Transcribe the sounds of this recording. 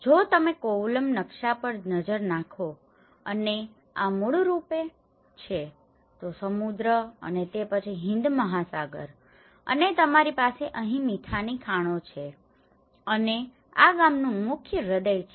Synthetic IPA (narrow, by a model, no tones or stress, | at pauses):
d͡ʒot̪əmekoləmnəkʃapəɾnəd͡ʒəɾnakʰo | əne | amuɭuɾupe | t͡ʃʰe | t̪osəmud̪ɾəə̰net̪epət͡ʃʰiɦɪ̃nd̪məɦasaɡə̰ɾ | ə̰net̪əmaɾipaseʔəɦĩmit̪ʰanikʰaɽ̃õt͡ʃʰe | əne | a̰ɡamnũmʊkʰjəɾəd̪əjt͡ʃʰ